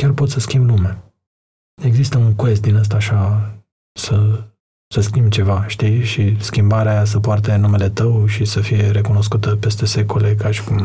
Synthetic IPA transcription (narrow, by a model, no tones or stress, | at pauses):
kʲarpo̞t̪səskʲimblumea | e̞ɡzist̪əuŋkest̪̚d̪inəs̬t̪aːʃa | sə | səskʲimbt͡ʃe̞vaʃt̪iʃiskʲimbaɾeajas̬əpoart̪enumele̞t̪əwʃisəfije̞ɾe̞kuno̞s̬kut̪əpe̞st̪e̞se̞ko̞le̞kaʃi̥kum